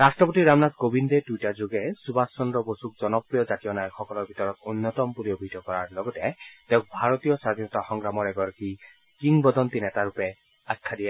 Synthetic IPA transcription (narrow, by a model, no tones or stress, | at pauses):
ɹastɹɔpotiɹamnazɡobindedujtazoɡɛsubasːɔnɹɔbosuk̚zɔnɔpɹijɔzatijɔnajxɔkɔlɔɹbʱitɔɹɔtunːɔtɔmpuliobʱitɔkɔɹaɹlɔɡɔtɛtɛʊ̃k̚bʱaɹɔtijɔsɹad̪ʱinɔtaxɔŋɡɹamɔɹɛɡɔɹaki | kiŋbɔd̪ɔntinɛtaɹupɛ | akʰːadijɛ